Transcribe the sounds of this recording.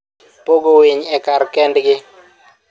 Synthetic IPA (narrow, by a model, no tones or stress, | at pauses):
poɡowɪɲɛkarkɛndɡɪ